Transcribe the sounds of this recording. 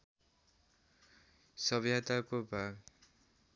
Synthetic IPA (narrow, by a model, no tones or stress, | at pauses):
sʌbjat̪akobʱaɡ